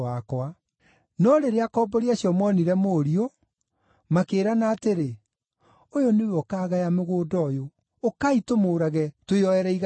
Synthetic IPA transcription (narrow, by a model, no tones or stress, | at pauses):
akwa | nɔɾeɾeakɔbɔɾeaɕjɔmwɔniɾɛmoːɾio | makeːɾanaːteɾe | ojonejɔkaːɣajameɣoːdɔjoː | kaitomoːɾaɣɛtweɔɛɾɛiɣ